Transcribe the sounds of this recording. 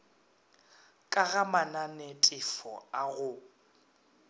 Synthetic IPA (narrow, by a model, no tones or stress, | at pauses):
kʼaɣamananɛtʼɪfɔ̰aɣʊ